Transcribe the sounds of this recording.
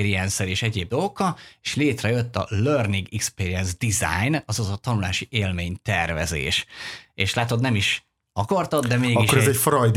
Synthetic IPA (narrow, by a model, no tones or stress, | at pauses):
ɾiɛnsɛleːʃɛɟeːb̚d̪o̞lɡokːɒleːʃleːt̪rɛjøt̪ːɒ̰lørniɡikspeːɾiɛnzd̪iza̰jnɒzɒzɒt̪ɒnulaːʃiʔeːlmeːɲt̪ɛrvɛ̰zḛːʃeːʃlaːt̪ot̪nɛmiʃ | ɒkɒrt̪od̪d̪ɛmeːɡiʃkːoɾɛzɛcfɾɒjd̪